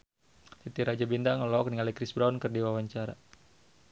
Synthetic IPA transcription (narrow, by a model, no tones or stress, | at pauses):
t̪it̪iɾad͡ʒabindaŋəlɔk̚niŋalikɾisbɾaunkɨrdiwawaɲt͡ʃaɾa̰